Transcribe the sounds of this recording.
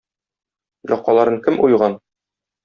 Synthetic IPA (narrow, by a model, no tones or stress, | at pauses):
jɒqːɑlˠɑɾɤɴkɘmʔujʁɑn